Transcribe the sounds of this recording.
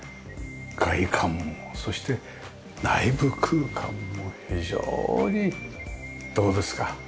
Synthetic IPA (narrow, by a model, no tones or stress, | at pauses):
ɡaikʰãmːo̞so̞ɕi̥t̪e̞ | naibɯkʰɯːkʰã̰mːo̞çiʑo̰ːɲ̟i | d̪̥o̞ːd̪e̞sɨ̥ka